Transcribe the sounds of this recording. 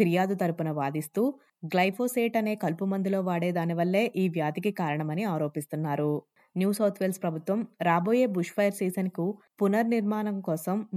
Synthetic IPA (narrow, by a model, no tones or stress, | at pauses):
iɾijaːd̪ut̪ɐɾupunɐʋaːd̪ist̪uː | ɡlɐjpʰoːseːʈɐne̞ːkɐlpumɐnd̪ʱilo̞ːʋaːɽe̞ːd̪aːniʋɐlːe̞ːʔiːʋjaːd̪ikikaːɾɐɳɐmɐniaːɾo̞ːpist̪unːaːɾu | njuːsɐːɾt̪ʰʋeːlspɾɐbʱut̪ʋɐmɾaːboːje̞ːbuʂpɐjɐɾsiːsɐnkupunɐɾniɾmaːnɐmkɔːsɐm